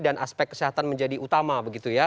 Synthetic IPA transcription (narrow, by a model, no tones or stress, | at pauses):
danʔaspɛk̚ːə̥siɦat̪anməɲd͡ʒadiʔut̪amabəɡit̪uja